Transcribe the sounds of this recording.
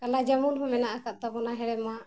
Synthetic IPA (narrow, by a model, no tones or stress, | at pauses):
kalad͡ʒamunɦɔ̃mɛnaʔakaʔ̚t̪abɔnaɦɛɽɛma